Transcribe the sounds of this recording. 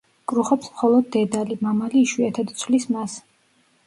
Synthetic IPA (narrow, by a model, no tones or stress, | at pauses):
kʼɾuχɔpsmχɔlˠɔd̪̚ːɛd̪alimamaliːʃwiɛt̪ʰɛd̪t̪sʰlismas